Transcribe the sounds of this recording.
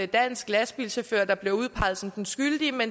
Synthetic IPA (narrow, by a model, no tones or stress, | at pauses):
ed̥æn̰sɡ̥læsb̥ilɕæføɐd̥ɑ̈b̥le̝uðˠpʰɑ̈ɪð̩ˠsɒ̽md̥ensɡ̥yld̥iəmen